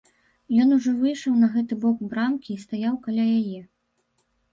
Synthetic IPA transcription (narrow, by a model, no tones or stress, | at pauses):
jɔnuʐɔvɨjʂɐwnɐɣɛt̪ɨbɔkbɾamkʲiːst̪ajawkalʲajajɛ